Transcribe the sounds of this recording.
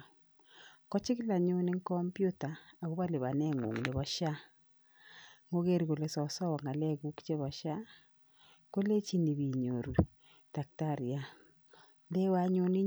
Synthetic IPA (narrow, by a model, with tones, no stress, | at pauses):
kɔ˦t͡ʃɪ˦kla˨ɲʊ˦nɪ˦ŋkɔ˦mpju˦taː˨ɣu˦βa˦lɪ˨βa˨nɛ˦˨ŋṵ˨ŋ˨ne˨βɔ˦ʃa˦ | ŋo˦ɣe˦ɾi˨ko˨le˨˦sɔ˨sɔ˦wɔ˨ŋa˨lɛ˦˨ɡu˦kt͡ʃe˦βɔ˨ʃa˦ | ko˦le˦t͡ʃi˦ni˨βi˨ɲo˨ɾu˨ | ta˨k̚ta˦˨ɾja˨ | ndɛ˦wa˦ɲʊ˦nɪ˦